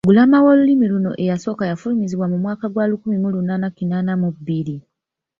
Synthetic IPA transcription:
ɡulamawolulimiluno̞̰ʔejaso̞kajafulimiziβwamumwaːkaɡwalukumimulunaːnakinaːnamubili

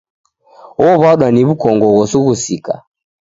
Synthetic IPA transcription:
ɔβaɗwaniβukɔŋɡɔɣɔsuɣusika̰

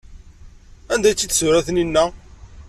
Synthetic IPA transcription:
ænd̪æjt͡sːit̪ːsʊɾæθninːæ

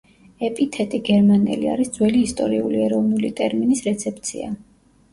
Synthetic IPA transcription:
ɛpʼit̪ʰɛt̪ʼiɡɛɾmanɛ̰lia̰ɾisd̪zwɛliːst̪ʼɔɾiuliɛɾɔvnulit̪ʼɛɾminisɾɛt̪sʰɛpʰʼt̪sʰḭa̰

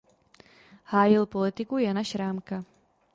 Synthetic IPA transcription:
haːjɪlpo̞lɪt̪ɪkujanaʃɾaːmka

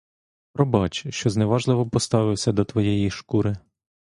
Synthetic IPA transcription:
pɾɔbɑt͡ʃʃt͡ʃɔzneʋɑʒlˠɪʋɔpɔst̪ɑʋɪwsʲɐd̪ɔt̪ʋɔjɛjiʃkuɾɪ

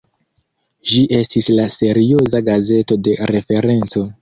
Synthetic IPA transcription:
ʒiʔe̞stislase̞ɾio̞zaɡaze̞to̞de̞ɾe̞fe̞ɾe̞nt͡so̞

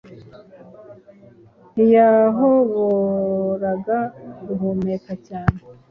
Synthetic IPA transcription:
ijaɦoβoɾaɡaɡuɦumekacaːne

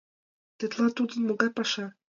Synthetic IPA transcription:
t̪ɤ̆t̪lˠɑt̪ud̪ɤ̆nmŏɡɑpɑʃɑ

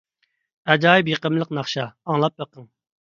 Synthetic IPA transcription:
ɛd͡ʒɑːjipjəqəmlˠəqnɑχʃɑːŋlˠɑp̚bəqʰəŋ

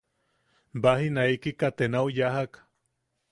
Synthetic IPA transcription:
baɦinaikikat̪enawjaɦak

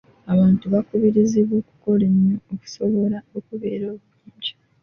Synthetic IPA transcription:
aβaːntuβakuβiɾiziβwo̞ːku̥ko̞leɲjooku̥so̞βo̞ɾaokuβe̞ːɾo̞ːβuɾiːɲɟi̥

